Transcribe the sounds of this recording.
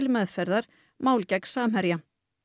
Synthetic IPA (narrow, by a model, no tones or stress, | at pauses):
lmɛðfɛɾðaɾ̥ | maːwlcɛksaːm̥ɦɛɾja